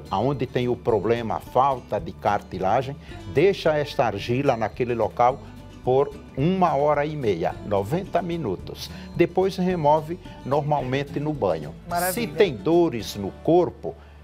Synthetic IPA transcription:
aõnd̪ɪt̪ẽj̃ʊpɾoblẽmɐ̰fawt̪ɐd̪ɪkaɾt̪ilaʒẽj̃d̪ejʃɐɛst̪ɐaɾʒilɐnakelɪlokaw | poɾ | ũmɐɔɾɐimejɐ̰novẽnt̪ɐmĩnut̪ʊsd̪epojshemɔvɪnoɾmawmẽnt̪ɪnʊbɐ̃ɲʊ̰asɪt̪ẽj̃d̪oɾɪznʊkoɾpʊ

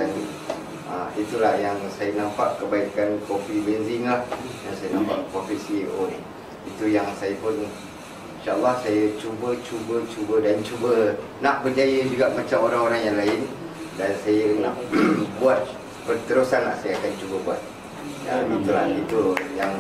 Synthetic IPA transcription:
ani | əit̪ulahjaŋsajənãmpa̰ʔkəbaikankofibɛnziŋlahdansajənãmpa̰ʔkofiʔsiʔon | it̪ujaŋsajəpʊni | iʃaʔəlːahsajət͡ʃubət͡ʃubət͡ʃubədant͡ʃubənãʔbərd͡ʒajəd͡ʒuɡaʔmãt͡ʃamoɾaŋoɾaŋjaŋlaɪn | dansajənãʔbuat̪̚ | pərt̪əɾusanla̰hsajəakant͡ʃubəbuat̪̚ | ja̰it̪ulahit̪ujaŋ

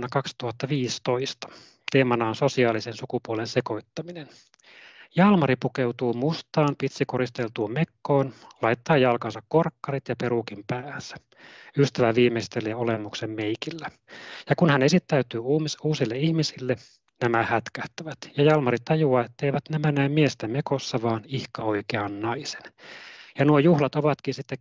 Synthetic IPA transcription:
nːɑkɑkst̪uhɑt̪ːɑʋiːst̪oist̪ɑ̥ | t̪eːmɑnɑːnso̞siɑːlisensukupuolenseko̞it̪ːɑminen | jɑlmɑɾipukewt̪uːmust̪ɑːmpit̪sikoɾist̪elt̪uːmekːoːnlɑit̪ːɑːjɑlkɑnsɑkːorkːɑrit̪jɑpeɾukimpæːsæ̥ | yst̪æʋæʋiːmeist̪eleːolemːuksemmeikilːæ | jɑkunhænesit̪ːæyt̪yːuːmsuːsilːeihmisilːe | næmæhæt̪kæht̪æʋæt̪jɑjɑlmɑɾit̪t̪ɑjuɑet̪ːeiʋæt̪næmænæmmiest̪æmekosːɑʋɑːnihkɑoikeɑnnɑise̥njɑnuojuhlɑt̪oʋɑt̪kinsit̪ːe

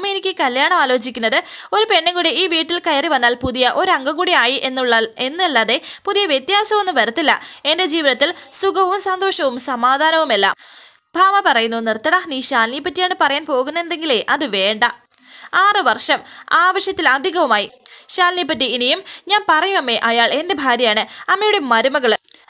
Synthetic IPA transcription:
menikʲːɨkɐljaːɳɐmaːlo̞ːd͡ʑikʲːunːɐðɨo̞ɾupe̞ɳːɐŋɡuːɽiiːʋiːʈːilkɐjɐriʋɐnːaːlpuðijɐʔo̞ɾɐŋɡɐɡuːɽijaːjiʔenːuɭːɐe̞nːilːaːðe̞puðijɐʋjet̪jaːsɐmonːuʋɐɾɐt̪ːilːɐ̰e̞nde̞d͡ʑiːʋiðɐt̪ːilsuɡɐʋumsɐnd̪o̞ːʂɐʋumsɐmaːd̪ʱaːnɐʋume̞lːa̰ːm | bʱaːmɐpɐrɐjunːunirt̪ːɐɽɐniɕaːnlijɐpːɐtːijaːɳɨpɐrɐjaːnpo̞ːɣunːend̪e̞ŋɡile̞ʔɐðɨʋe̞ːɳɖɐaːrɨʋɐrʂɐmaːʋɐɕjɐt̪ːilɐd̪ʱiɣɐʋumaːjiɕaːlːijɐpːɐtːiinijumɲaːnpɐrɐjumɐmːe̞ʔɐjaːɭe̞nde̞bʱaːɾjɐjaːɳɨɐmːejuɽe̞mɐɾumɐɣɐɭɨ

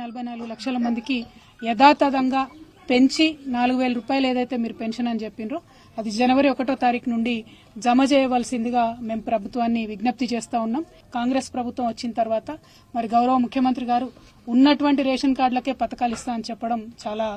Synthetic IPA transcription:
ɐlɐbʱɐjnaːluɡulɐkʂɐlɐmɐnd̪iki | ɛd̪aːt̪ɐd̪ɐŋɡaː | pe̞ɲt͡ʃinaːluɡuʋeːlɐɾuːpaːjɐlɐeːd̪ɐjt̪e̞ːmiːɾupenʂɐnɐnit͡ʃepːinɾoː | ɐd̪id͡ʒɐnɐʋɐɾiɔkɐʈo̞ːt̪aːɾiːkɐnuɳɖi | d͡ʒɐmɐt͡ʃɛːjɐʋaːlsind̪iɡaːme̞ːmpɾɐbʱut̪ʋaːnːiʋiɡnɐp̚t̪it͡ʃeːst̪aːunːaːm | kaːŋɡɾe̞ːspɾɐbʱut̪ʋɐmʋɐt͡ʃːinɐt̪ɐɾʋaːt̪ɐ | mɐɾiɡɐwɾɐʋɐmukʰjɐmɐnt̪ɾiɡaːɾuː | nːɐʈuʋɐɳʈiɾeːʂɐnkaːɾɖlɐke̞ːpɐt̪ɐkaːlist̪aːɐnit͡ʃɛpːɐɽɐmt͡ʃaːlaː

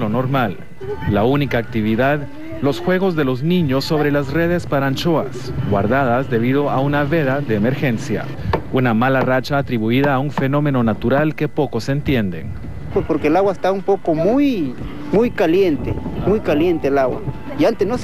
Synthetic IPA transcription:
lono̞ɾmalː | aunikaːk̚t̪iβiðað | lo̞sxwe̞ɣo̞zðe̞lo̞znĩɲo̞sːo̞βɾe̞lasre̞ð̞e̞spaɾant͡ʃoasɡwa̰ɾðaðazðe̞βið̞o̞aunaβe̞ðaðeːmeɾxe̞nsja̰ | unamalarat͡ʃaːt̪ɾiβuiðaːuɱfe̞no̞me̞no̞nat̪uɾalke̞po̞ko̞se̞nt̪je̞nd̪e̞̰n | pwespoɾkelaɣwaest̪aumpokomuj | mujkaljent̪emujkaljent̪eːlaɣwa̰ | iant̪eno

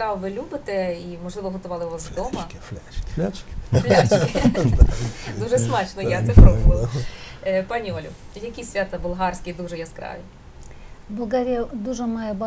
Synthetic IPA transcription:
kɾɑʋʋɪlʲubɪt̪ɛimɔʒlˠɪʋɔɦɔt̪ʊʋɑlˠɪʋɪʋasd̪ɔmɐt͡ʃʲt͡ʃkʲflʲat͡ʃɪ | d̪uʒɛsmɑt͡ʃnɔjat̪sɛpɾɔbʊʋɐ | pɑnʲiɔlʲʊ̰ | jɐkʲisʲʋʲat̪ɐʋɔlˠɦɑrsʲkʲɪd̪uʒɛjaskɾɑ̰ʋʲi | bɔɡaɾʲɐd̪uʒɛmɑjɛbɑ

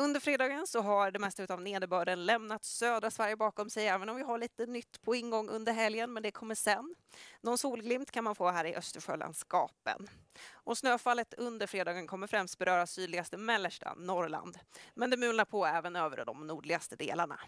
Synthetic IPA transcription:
ɵnd̪əɾfɾeːd̪ɑːɡənsɔɦaɖɛmɛst̪aʉ̟ːt̪avneːd̪əbœːɖənlɛmnat̪søːd̪ɾasvæɾjəbɑːkɔmsɛjɛːvənɔmvɪɦaɭiːt̪ənʏt̪ːpʰɔɪnɡɔŋːʔɵ̰nd̪əɾɦɛljənmɛnd̪ɛkʰɔmːəʂɛnː | ɔnsuːlɡlɪmt̪kʰanmanfoːɦæːɾɪʔœst̪əɧø̰ːla̰nskɑ̰ːpə̰nɔsnøːfalːət̪ʰɵnd̪əɾfɾeːd̪ɑːɡənkʰɔmːəɾfɾɛmst̪̚bɛɾœːɾasːyːd̪lɪɡast̪əmɛlːəʂʈa̰nɔɾla̰nd̪mɛnd̪ɛmʉːnaɾpʰɔɛːvənøːvə̰ɾdɖɔ̰mnuːɖɭɪɡast̪əd̪ḛːlaɳa̰

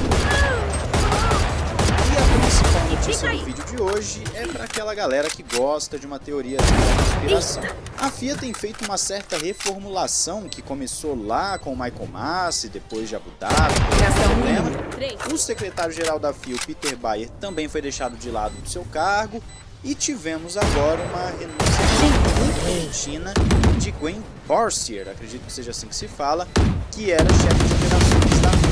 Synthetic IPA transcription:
ɪɐpɾĩsipawnot͡ʃisijɐdʊvid͡ʒʊd͡ʒɪoʒɪɛpɾɐaːkɛlɐɡalɛɾɐkɪɡɔst̪ɐd͡ʒɪũmɐt̪eoɾiɐsɐĩspiɾasɐ̃w̃w̃afiɐt̪ẽj̃fejt̪ʊũmɐsɛɾt̪ɐɦefoɾmulasɐ̃w̃kɪkõmesolakõʊmajkomasɪd̪epojzd͡ʒabut̪ad̪ɐat̪ɛũlẽmɐʊsekɾet̪aɾjʊʒeɾawd̪ɐfiwpit̪eɾbajeɾt̪ɐ̃mbẽj̃fojd̪ejʃad̪ʊd͡ʒɪlad̪ʊd̪ʊsewkaɾɡʊ | ɪt͡ʃivẽmʊzaɡɔɾɐũmɐɦenũsiɐĩĩkẽt͡ʃĩnɐd͡ʒɪɡwẽ | bɔɾsieɾakɾed͡ʒit̪ʊkɪ̥seʒɐasĩkɪ̥sɪfalɐkɪɛɾɐʃɛfɪd͡ʒɪopeɾasɐ̃w̃ist̪a

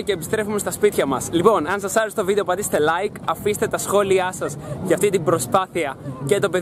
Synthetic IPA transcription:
ce̞ːpist̪ɾe̞fume̞st̪ɐspit̪çɐmɐslipo̞nɐnsɐsɐɾest̪ovid̪eopɐd̪ist̪e̞lɐjkɐfist̪e̞t̪ɐsxo̞liɐsɐzʝɐft̪it̪ibɾo̞spɐθiɐce̞t̪o̞pe

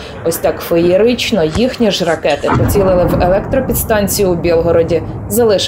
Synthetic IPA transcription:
ɔsʲt̪ɑkfɔjiɾit͡ʃnɔjixnʲiʒrɐkɛt̪ɪpɔt͡sʲilˠɪlˠɪwelˠɛk̚t̪ɾɔpʲid̪st̪ɑnʲt͡sʲijubʲilˠɦɔɾɔdʲi | zɐlˠɪʃ

